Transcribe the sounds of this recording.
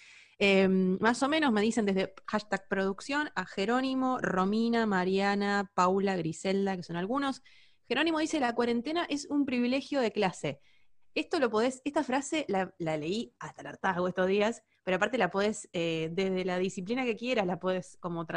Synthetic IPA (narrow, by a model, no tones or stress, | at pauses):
emːaso̞mẽ̞nozme̞ðisend̪e̞ɦðexaʃt̪aɣpɾo̞ðuksjo̞naxe̞ɾo̞nimo̞ro̞minamaɾjanapawlaɣɾiseld̪akeso̞nalɣuno̞s | xe̞ɾo̞nimo̞ðise̞lakwaɾe̞nt̪e̞naʔe̞sumpɾiβile̞xjo̞ð̞e̞klase̞ | e̞st̪o̞lo̞po̞ðeseht̪afɾase̞lalale̞iat̪alaɾt̪aɣoest̪o̞zðias | peɾoapaɾt̪e̞lapo̞ðe̞sed̪e̞ðe̞laðisiplinake̞kje̞ɾaslapoðesko̞mot̪ɾ